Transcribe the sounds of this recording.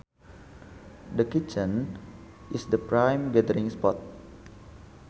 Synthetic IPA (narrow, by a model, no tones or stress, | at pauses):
dəkit͡ʃə̃n | isdəpɹãjmɡɛdəɾĩŋspɔt̪̚